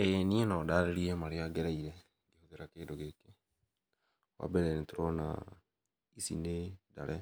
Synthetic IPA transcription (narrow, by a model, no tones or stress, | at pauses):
enienɔdaɾeɾiemaɾiaɡeɾaiɾe | ɡihoðeɾakeːdoɡeke | wa̰bɛɾɛnetuɾɔna̰ | isḭneda̰ɾʔɛ